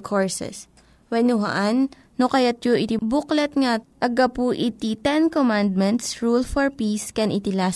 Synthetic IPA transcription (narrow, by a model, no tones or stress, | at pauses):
kʰoɹsɛ̰s | wɛnʊɦa̰ʔanː | okɐjat̪̚joʔɪt̪ibuklɛt̪̚ŋaʔɐɡapuʔit̪it̪ɛnkomand̪̚mɛnt̪sɹulfɔɹpiskɛnʔɪt̪ɪlas